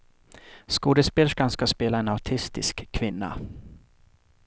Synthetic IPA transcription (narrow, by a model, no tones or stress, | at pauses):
skuːd̪əspeːlʂkanskaspeːlaɛnaʈʰɪst̪ɪskʰːvɪnːa̰